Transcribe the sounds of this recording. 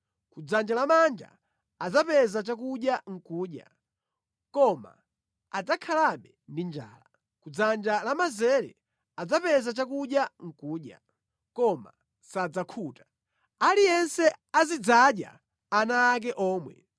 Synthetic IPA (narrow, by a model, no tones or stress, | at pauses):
kud͡zand͡ʒalamand͡ʒa̰ | ad͡zapɛzat͡ʃakuɗjaŋ̩kuːɗja̰ | kɔma̰ː | d͡zakʰalaɓɛndind͡ʒa̰ːla | kud͡zand͡ʒalamazɛɾɛ̰ | ad͡zapɛzat͡ʃakuɗjaŋ̩kuːɗja̰ | kɔma̰ | sad͡zakʰuːtḁ | alijɛnsɛazid͡zaɗja̰ | anaːk̬ɛʔɔːmwɛ̰